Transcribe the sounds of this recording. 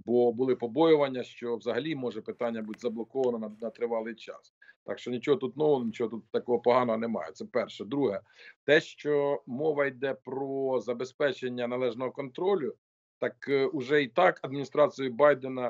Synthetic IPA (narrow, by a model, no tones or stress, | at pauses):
bɔbʊlˠɪpɔbɔjʊʋɐnʲːɐʃt͡ʃɔwzɐɦɐlʲimɔʒɛpɪt̪ɑnʲːɐbutʲzɐblˠɔkɔʋɐnɔnɐnɐt̪ɾɪʋɑlˠɪjt͡ʃɑ̰s | t̪ɑ̰kʃt͡ʃɔnʲit͡ʃɔɦɔt̪ut̪nɔʋɔnʲit͡ʃɔɦɔt̪ut̪t̪ːɐkɔɦɔpɔɦɑnɔɦɔnemɑ̰jɛ̰t̪sɛpɛrʃɛd̪ɾuɦɛ | t̪ɛʃt͡ʃɔmɔʋɐjd̪ɛpɾɔzɐbespɛt͡ʃenʲːɐnɐlˠɛʒnɔɦɔkɔnt̪ɾɔlʲʊ | t̪ɑkʊʒɛit̪ɑkɐd̪̚mʲinʲist̪ɾɑt͡s̪ʲijʊbɑjd̪enɐ